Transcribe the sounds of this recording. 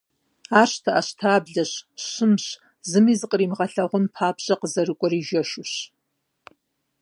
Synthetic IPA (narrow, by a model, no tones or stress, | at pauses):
aːɕtʰɐʔɐɕtʰaːbɮɐɕɕɨmɕ | zɨmiːzɨqʼəriːmʁɐɬɐʁʷʊmpʰaːpʰɕʼɐqəzɐrɨkʷʼɔɾiːʒɐʃʊɕ